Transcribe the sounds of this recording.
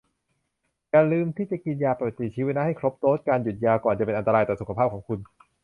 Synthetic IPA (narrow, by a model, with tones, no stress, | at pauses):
kaː˧nlɯː˧mt̪ʰiː˥˩t͡ɕa˨˩ki˧njaː˧pa˨˩t̪ːi˨˩t͡ɕʰiː˦˥we˧˥na˦˥ha˥˩jkʰɾo˦˥p̚t̪oː˦˥t̪̚kaː˧nju˨˩jaː˧wkɔː˨˩nt͡ɕa˨˩pe˧nʔa˧nt̪aː˧jt̪ɔː˨˩su˨˩kʰa˧pʰaː˥˩p̚kʰɔː˩˦ŋkʰu˧n